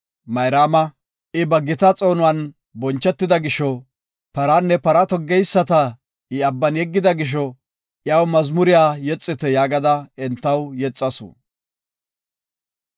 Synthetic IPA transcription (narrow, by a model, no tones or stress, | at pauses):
mɐjɾaːmɐ | ʔɪbɐɡːɪt̪ɐt͡sʼo̞ːnʊwɐn | bɔnt͡ʃːɛt̪ːɪd̪ɐɡɪʃɔ | pɐɾanːɛpɐɾɐt̪ɔɡːɛjsːɐt̪ɐ | ɪɐbːɐnjɛɡːɪd̪ɐɡɪʃ̬ɔ | ʔjɐwmɐzmʊɾɪjaːjɛt͡sʼːɪt̪ɛjaːɡɐd̪ɐɛnt̪ːɐwjɛt͡sʼːɐsʊ̰